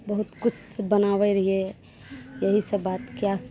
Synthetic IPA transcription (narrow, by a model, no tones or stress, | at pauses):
bəɦut̪kʊt͡ʃʰbənaʋɛɾəɦie | jəɦisəbaːt̪kias